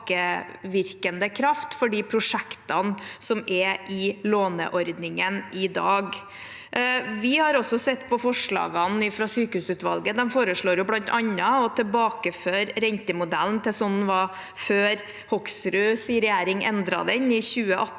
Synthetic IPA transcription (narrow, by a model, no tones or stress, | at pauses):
kəʋɪɾkənd̪əkʰɾɑft̪fɔɖiːpʰɾʊʂɛkt̪ɑnsɔmɛʔɪloːnə̰ʔɔɾd̪nɪŋənɪd̪ɑːɡ | ʋɪhɑɾɔsːɔsɛt̪ːpʰɔfɔʂɭɑ̰ːɡɑnɪfɾɑsyːkəhʉːsʉːt̪ʋɑ̰lɡəd̪ɛmfoːɾəʂɭoːɾjʊblɑnt̪ɑnɑɔt̪ʰɪlbɑːkəføːɾɾɛnt̪əmʊd̪æ̰lnt̪ʰɛsɔnn̩ʋɑ | føːɾ | hɔksɾʉːsiɾɛjæːɾɪŋɛ̰nd̪ɾɑ̰d̪ɛnɪçʉːəʔɑ